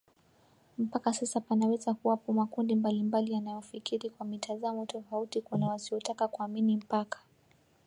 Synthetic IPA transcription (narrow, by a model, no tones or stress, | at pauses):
m̩pakasasapanawɛzakuwapumakundimbalimbalijanajɔfikiɾikwamitʰazamɔtɔfautikunawasiɔtakakuaminim̩pakḁ